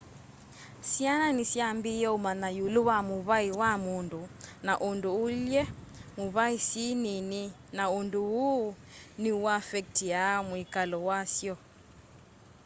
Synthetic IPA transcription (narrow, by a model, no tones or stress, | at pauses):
siananisjambijɔumanajuluwamuβaiwamundunaʔunduːljɛmuβaisinini | naunduu | niuafɛk̚tijamwikalɔwasjɔ